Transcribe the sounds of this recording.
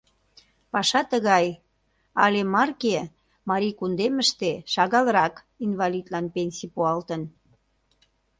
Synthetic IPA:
pɑʃɑt̪əɣɑj | ɑ̰lemɑrke | mɑɾikund̪eməʃt̪eʃɑɣɑləɾɑk | invɑlid̪lɑnpenʲsʲipuɑlt̪ən

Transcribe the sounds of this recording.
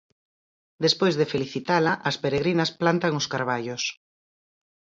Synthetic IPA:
d̪espojzðefeliθit̪alɐʔɐspeɾeɣɾinɐsplant̪aŋʊskaɾβaʎʊs

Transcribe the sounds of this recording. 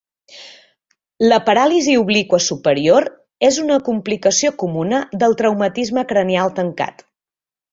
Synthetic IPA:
ləpəɾaliziuβlikwəsupəɾioɾ | ezunəkumplikəsiokumunəðəlˠt̪ɾəwmət̪izməkɾənialˠt̪əŋka̰t̪

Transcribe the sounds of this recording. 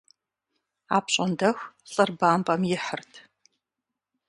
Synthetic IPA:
a̰ːpɕʼɐndɐxɬʼɨrbaːmpʼɐmjɪħərtʰ

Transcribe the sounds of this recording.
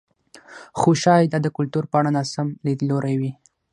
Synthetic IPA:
xoʃɑjd̪ɑd̪əkʊlt̪uɾpəaɽanɑsamlid̪loɾajwi

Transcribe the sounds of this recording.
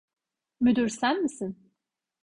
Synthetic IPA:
myd̪yɾsænmisin

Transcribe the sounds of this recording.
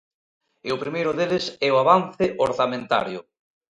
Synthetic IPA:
ɪʊpɾimejɾʊðelɪsɛʊaβanθɪʔoɾθamẽnt̪a̰ɾjʊ

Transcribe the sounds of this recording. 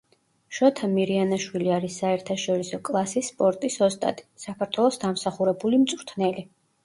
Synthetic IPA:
ʃɔt̪ʰamiɾianaʃwiliaɾisːaɛɾt̪ʰaʃɔɾisɔkʼlˠasispʼɔɾt̪ʼisɔst̪ʼa̰d̪ʼisakʰaɾt̪ʰwɛlˠɔsd̪amsaχuɾɛbulimt̪sʼɾt̪ʰnɛli

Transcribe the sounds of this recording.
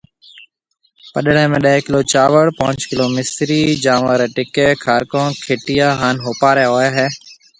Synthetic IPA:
pəɗɽẽːmẽːɗəeːkɪloːt͡ʃaːʋəɽpaːɲt͡ʃkɪloːmɪsɾiːd͡ʒaːʋaːɾeːʈɪkeːkʰaːɾkõːkʰeːʈɪjaːɦaːnɦoːpaːɾeːɦoːjaːɦɛː

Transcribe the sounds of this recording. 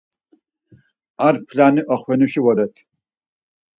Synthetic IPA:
aɾpʰlaniʔɔχwɛnuʃiwɔɾɛt̪ʰ

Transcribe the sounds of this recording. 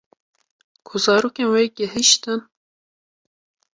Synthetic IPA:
kʰʊzɑːɾoːkenweɡəhiʃt̪ɨn

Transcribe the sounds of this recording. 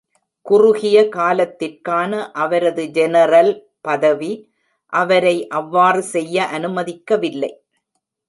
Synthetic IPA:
kʊrʊɣɪjɐkaːlɐt̪ːɪrkaːnɐʔɐʋɐɾɐðɯd͡ʒɛnɐɾɐl | pɐðɐʋi | ʔɐʋɐɾɐɪʔɐʋːaːrɯsɛjːɐʔɐnɯmɐðɪkːɐʋɪlːɐɪ

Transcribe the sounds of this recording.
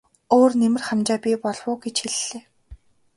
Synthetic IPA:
oːrnemɘ̆rχamt͡ɕaːpʲipɔɮwʊːɡet͡ɕxeɮːeː

